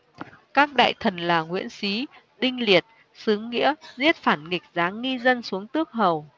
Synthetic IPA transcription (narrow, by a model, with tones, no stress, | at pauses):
kaː˦˥k̚ɗa̰ː˧˨jt̪ʰə˨˩nlaː˨˩ŋwḭ˧˥ənsi˨˦ | ɗï˧ŋ̟li˨˩ət̚ | sɨ˨˦ŋːḭ˧˥əzi˦˥ət̚faː˧˩nŋi˨˩k̚zaː˨˦i˧zə˧nsu˨˦əŋt̪ɨ˦˥ək̚ɦə˨˩w